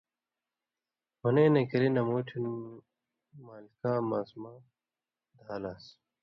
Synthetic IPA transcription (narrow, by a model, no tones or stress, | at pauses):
mɐnẽːnekɐɾinɐmoːʈʰini | maːlikaːmaːsmaː | d̪ʱaːlaːs